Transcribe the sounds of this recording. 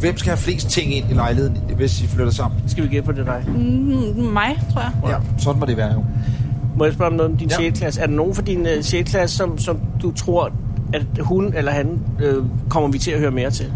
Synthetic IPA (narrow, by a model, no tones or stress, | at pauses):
ʋem̰sɡ̥æhæfle̝̰ːsd̥t͡sʰe̝ŋ̰e̝n̰ilɑ̈ɪleð̰ˠn̩ʋe̝siflødɐsɑ̈m̰n̩sɡ̥æʋiɡ̥enpʰɒd̥ed̥ɑ̈ɪ | mɑ̈ɪt͡sʰʁoɐ̰jasɒ̽d̥n̩mɒd̥eʋæːɐjo̝mɒjasb̥ɶɐɒmnɔðˠɒd̥inɕeːd̥̚kʰlæsæɐdeno̝ːn̩fɒ̽d̥inɕeːd̥kʰlæsəsɒ̽msɒ̽md̥ut͡sʰʁo̝ɐ̰æ̥hunelɐhænøkʰɒ̽m̰ɐʋit͡sʰe̝læhøːɐme̝ːɐt͡sʰe̝l